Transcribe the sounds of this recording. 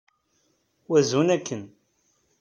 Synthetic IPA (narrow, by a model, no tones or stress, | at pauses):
wæzunækʰːən